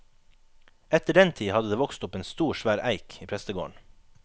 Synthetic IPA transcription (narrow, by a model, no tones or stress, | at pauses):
ɛt̪əɖɛnt̪ʰiːhɑd̪əd̪eːʋɔkst̪ʊpeːnst̪uːʃʋæːɾʔæɪkiːpʰɾɛst̪əɡo̰ːəɳ